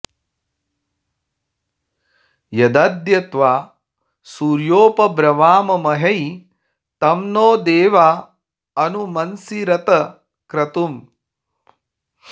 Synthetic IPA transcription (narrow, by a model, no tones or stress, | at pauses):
jɐd̪ɐd̪jɐt̪ʋaː | suːɾjoːpɐbɾɐʋaːmɐmɐɦɐj | t̪ɐmnoːd̪eːʋaː | ɐnumɐnsiɾɐt̪ɐ | kɾɐt̪um